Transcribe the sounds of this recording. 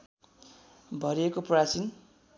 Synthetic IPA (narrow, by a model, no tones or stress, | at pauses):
bʱʌɾiekoprat͡sin